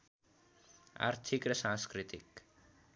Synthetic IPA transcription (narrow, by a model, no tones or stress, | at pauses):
a̰ɾt̪ʰikɾʌsãnskɾit̪ik